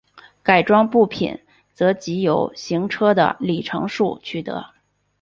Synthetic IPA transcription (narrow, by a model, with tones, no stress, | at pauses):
ka˨˩ɪʈ͡ʂwɑ˥ŋpu˥˩pʰḭ˨˩˦n | t͡sɤ˧˥t͡ɕi˧˥jo˨˧˩ʊɕi˧˥ŋʈ͡ʂʰɤ˥d̪ə̰˨li˨˩ʈ͡ʂʰɤ̰˧˥ŋʂu˥˩t͡ɕʰy˥˩t̪ɤ̰˧˥